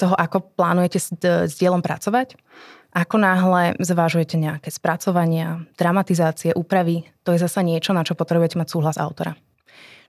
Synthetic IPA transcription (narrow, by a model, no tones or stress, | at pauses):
t̪ɔɦɔʔakɔplaːnujɛcɛzɟɪɛlɔmpɾa̰t͡sɔʋac | ʔakɔnaɦlɛzʋaʒujɛcɛɲɛakɛːspɾat͡sɔʋaɲɪad̪̥ɾamat̪izaːt͡siɛʔuːpɾaʋit̪ɔjɛzasaɲɪɛt͡ʃɔnat͡ʃɔpɔt̪ɾɛbujɛcɛmacsuːɦlaza̰ʊt̪ɔɾa̰